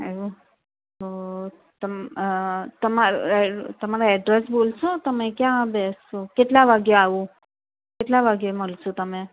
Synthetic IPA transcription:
eo | t̪o | t̪əm | t̪əmaɾ̰t̪əmaɾaɛɖɾesbolsot̪əmẽkjãbɛsokeʈlaʋaɡjeaʋũ | keʈlaʋaɡjeməlsot̪əmẽ

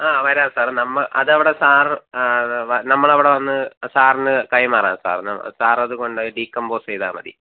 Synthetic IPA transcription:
aːʋɐɾaːsaːrnɐmːɐɭʔɐ̰ðɐʋiɽe̞saːr | ʋɐnɐmːɐɭɐʋiɽeʋɐnːɨsaːrnɨkɐjmaːrej̰aːmsa̰ːrnɐ̰m̰saːrɐðuko̞ɳɖɖiːkːɐmboːsejðaːmɐ̰ðḭ

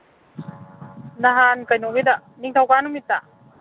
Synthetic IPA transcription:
naɦankajnoβid̪a | niŋt̪ʰawkanumit̪a

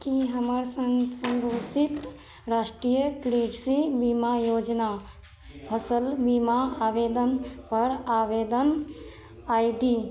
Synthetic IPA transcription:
kiɦəməɾsəsə̃ŋɡʱoːsit̪ | ɾaːʃʈɾijəkɾeːɖsibimajoːd͡ʒna | pʰəsəlbimaaːʋeːd̪ənpəɾaːʋeːd̪ən | aːiɖi

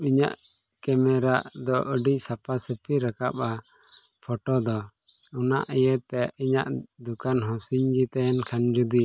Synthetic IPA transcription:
iɲa̰ʔ | kɛmɛɾaʔd̪ɔʔəɖicsapasəpiɾakap̚a | pʰɔʈɔd̪ɔ | una̰ʔɛjət̪ɛiɲa̰ʔd̪ukanɦɔ̃siɲɡit̪ɛɛnkʰand͡ʒud̪i

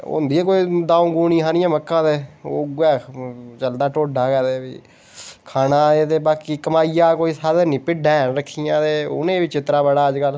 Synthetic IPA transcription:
ʊ̰nd̪iːɛːkoːiːd̪ãːũːɡuːnĩːɦaːnɪjãːməkːãːd̪eːo̰ːɡɛːt͡ʃəld̪aːʈoːɖʱaːkɛːd̪eːbḭː | kʰaːnaːeːt̪eːbaːkiːkəmaːijaːkoːiːsaːd̪eːnĩːpɪɖɛ̃ːɾəkʰːijãːd̪eːʊ̰nẽːʋit͡ʃɪt̪ɾaːbəɽaːəd͡ʒkəl

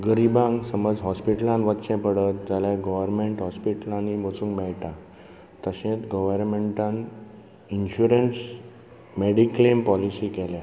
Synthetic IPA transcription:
ɡəɾibãŋɡsəməd͡zɦɔspiʈəlãnʋət̪ːɕɛ̃pəɽət̪̚d͡ʑalaɡɔʋəɾmeɳʈɦɔspiʈəlaniʋət͡sũnɡmɛɭʈa | t̪əɕẽt̪ɡəʋəɾmeɳʈãn | inɕuɾəns | meɽiklempɔlisikɛlja

